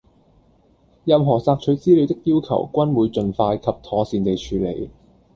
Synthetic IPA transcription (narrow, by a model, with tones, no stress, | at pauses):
jɐ˨˧mɦɔː˨˩t͡saː˧k̚t͡ʃʰɵ˨˧ɥt͡siː˥li˨˧wt̪ɪ˥k̚jiː˥wkʰɐ̰˨˩wkʷɐ˥nwuː˨˧jt͡ʃɵ˨nfaː˧jkʰɐ˨p̚t̪ʰɔː˨˧siː˨nt̪e˨jt͡ʃʰyː˨˧lḛ˨˧˩j